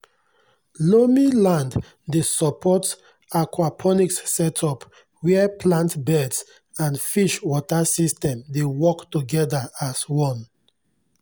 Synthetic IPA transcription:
lomilãnd | desɔpʰɔt | akwapʰɔnikssɛtʰɔp | wɛɛpʰlãntbɛds | ãnfiʃwɔtasistɛ̃mdewɔktuɡɛdaaswɔ̃n

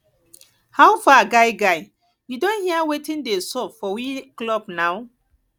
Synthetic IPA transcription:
hawfaɡaɪjɡaɪ | judõnhiawetĩndesɔpfɔwiklɔbnaw

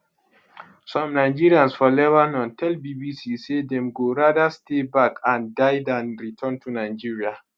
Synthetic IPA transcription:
sɔ̃mnaɪd͡ʒiɹiãnsfɔlɛvanɔ̃ntʰɛlbibisisedɛ̃mɡoɹadastʰebakʰãndajdãnɹitʰɔ̃ntʰunaɪd͡ʒiɹia

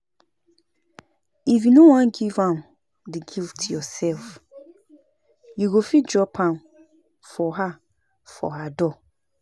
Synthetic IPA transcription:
ifjunowãnɡivãn | diɡiltʰjɔsɛlf | juɡofit̚d͡ʒɔpʰãn | fɔɦa | fɔ̰ɦadɔ

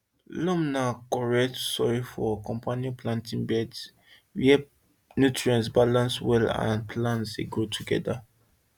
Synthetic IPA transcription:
lɔ̃mnakɔɹɛktsɔɹifɔkɔ̃mpʰanjõplãntĩnbɛds | wiɛ | njutɹiɔ̃nsbalãnswɛlã̰npʰlãnsdḛɡɹotʰuɡɛ̰da̰

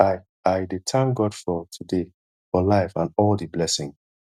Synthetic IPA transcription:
a | ajdetʰãŋɡɔdfɔtʰude | fɔlaɪfãnɔldiblɛsɪ̃ŋ

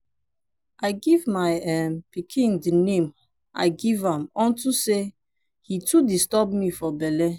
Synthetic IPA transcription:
ʔaɪɡivmaɛmpikʰĩŋdinẽm | a̰ɪɡivãmɔ̃ntuse | hitudistɔbmifɔbɛlɛ

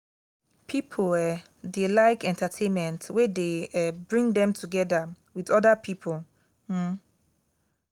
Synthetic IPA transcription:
pʰipʰɔlɛ | delaɪkɛ̃ntʰatʰẽnmɛ̃ntwedeɛbɹĩŋdɛ̃mtʰuɡɛda | wiðɔdapʰipʰɔl̩

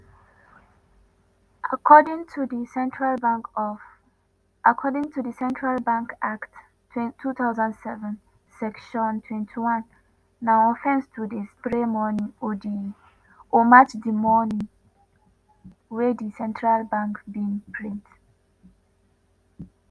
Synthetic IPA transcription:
ʔakʰɔdĩŋtʰudisɛ̃ntɹalb | akʰɔdĩŋtudisɛ̃ntʰɹalbãŋkakt | tʰutaʊzãndsɛvɛ̃n | sɛkʃɔ̃ntʰwɛ̃ntʰiwãnː | aɔfɛ̃nstʰudispɹemɔnĩŋodi | omat͡ʃdimɔnĩŋ | wedisɛ̃ntɹalbãŋkbĩŋpʰɹĩnt

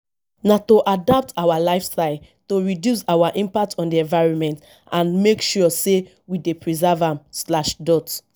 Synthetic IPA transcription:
natoʔadap̚tʰawalaɪfstaɪl | toɹidjusawaʔĩmpak̚tʰɔ̃ndiɛ̃ɱvaɪɹɔ̃nmɛ̃nt | ʔãnmekʃuse | widepɹizavãmslaʃdɔt

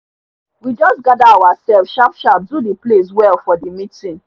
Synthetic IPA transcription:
wid͡ʒɔsɡadaawasɛlfʃapʃap̚dudiples̬wɛlfɔdimitĩn

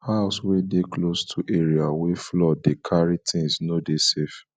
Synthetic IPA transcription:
haʊswedeklostʰuʔeɹiaweflɔdekʰaɹitʰĩŋsnodesef

